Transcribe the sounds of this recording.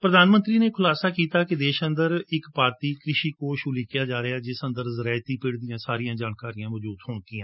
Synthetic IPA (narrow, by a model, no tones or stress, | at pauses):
pɾəd̪aːnmə̃nt̪ɾiːneːkʰʊlaːsaːkiːt̪aːkɪd̪eːʃə̃nd̪əɾɪkpaːɾt̪iːkɾɪʃiːkoːʃulɪkjaːd͡ʒaːɾeaːd͡ʒɪsə̃nd̪əɾzəɾaːt̪iːpɪɽd̪ijãːsaːɾijãːd͡ʒaːnkaːɾijãːʋəd͡ʒuːd̪ɦʊːɳk̪iːãː